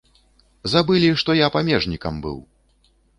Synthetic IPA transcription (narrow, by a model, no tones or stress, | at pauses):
zabɨlʲiʂt̪ɔjapamʲɛʐnʲikɐmbɨ̰w